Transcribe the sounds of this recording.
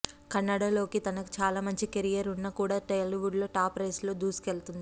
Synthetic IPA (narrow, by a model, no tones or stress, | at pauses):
kɐnːaɽalo̞ːkit̪ɐnɐku̥t͡ʃaːlaːmɐɲt͡ʃikeɾijɐɾunːɐkuːɽaːʈɐjliʋuɖlo̞ːʈaːpɾɐjslo̞ːd̪uːsi̥kelt̪und̪ii